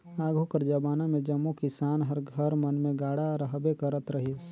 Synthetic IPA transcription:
aːɡʱukəɾd͡ʒabaːnamẽd͡ʒəmːukɪsaːnɦəɾɡʱəɾmənmẽɡaːɽaɾəɦbekəɾət̪ɾəɦis

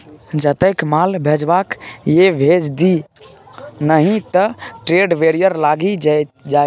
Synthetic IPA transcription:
d͡ʒət̪əkmalbʱed͡ʒbakjebʱed͡ʒd̪i | nəɦĩt̪əʈɾeɖʋeɾijəɾlaɡid͡ʒa

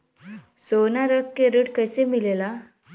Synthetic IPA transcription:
sonaɾəkːeɾəʈkəjsemilela

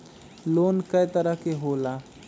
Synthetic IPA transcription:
loːnkɐjt̪əɾəɦkeɦoːlaː

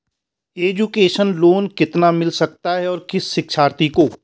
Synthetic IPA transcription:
eːd͡ʒukeːʃənloːnkɪt̪namɪlsɐk̚t̪aɦɛɔːɾkɪsːɪkʃʰaːɾt̪ikoː

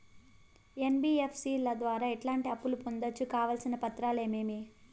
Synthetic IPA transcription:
enbiːepʰsiːlɐd̪ʋaːɾaːiʈlaːɳʈiɐpːulupond̪ɐt͡ʃːukaːʋaːlsinɐpɐt̪ɾaːle̞ːmeːmi

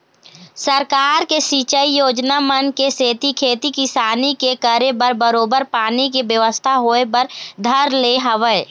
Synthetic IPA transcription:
səɾkaːɾkesiːt͡ʃəijoːd͡ʒnamənkeseːt̪ikʰeːt̪ikɪsaːnikekəɾebəɾbəɾoːbəɾpaːnikebjəʋəst̪ʰaɦoepəɾd̪ʱəɾleɦəʋəe

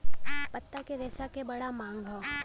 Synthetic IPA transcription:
pət̪ːakeɾɛːsakebɐɽamãːŋɡʱo

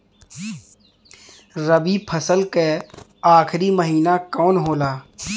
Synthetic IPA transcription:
ɾəbipʰəsəlkeaːkʰɾiməɦiːnakɔːnɦoːlaː

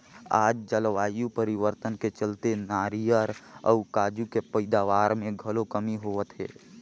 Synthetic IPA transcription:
a̰ːd͡ʒd͡ʒəlʋaːjũpəɾiʋəɾt̪ənket͡ʃəlt̪enaːɾijəɾə̰ʊkaːd͡ʒukepəɪd̪aʋaːɾmẽɡʱəlokəmiɦoʋət̪ɦɛ̰ː

